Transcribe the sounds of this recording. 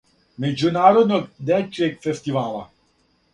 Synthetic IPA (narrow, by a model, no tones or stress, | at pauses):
mɛd͡ʒunaːɾɔd̪nɔkd̪ɛt͡ʃːɛkfɛst̪ivaːla̰